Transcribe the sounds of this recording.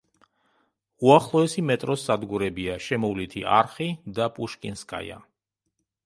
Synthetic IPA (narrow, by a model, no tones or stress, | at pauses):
uaχlˠɔɛsimɛt̪ʼɾɔsad̪ɡuɾɛbiaʃɛmɔvlit̪ʰiʔa̰ɾχid̪apʼuʃkʼinskʼa̰ja̰